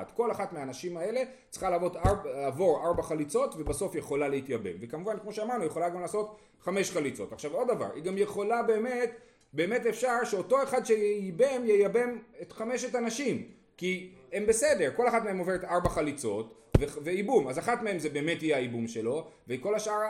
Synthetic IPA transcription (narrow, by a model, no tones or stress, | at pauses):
dko̞laχatmeanaʃimae̞le̞ | t͡sχalaːvo̞talaːvo̞ʁaʁbaχalit͡so̞tvebaso̞fjeχo̞laleit̪jabe̞̰mvekamuvankmo̞ʃeamaʁnujeχo̞laɡamlaːso̞t | χameʃχalit͡so̞̰taχʃavo̞d̪dava̰ʁiɡamje̞χo̞labe̞ːme̞t | be̞ːmetefʃaʁʃeo̞to̞e̞χad̪ʃejejibe̞mjejabe̞metχameʃetanaʃim | kiembe̞sede̞ʁko̞laχatmeemo̞ve̞ʁetaʁbaχalit͡so̞t | veveibumazaχatmee̞mzebe̞ːmethijeaibumʃelo̞veiko̞laʃaaʁ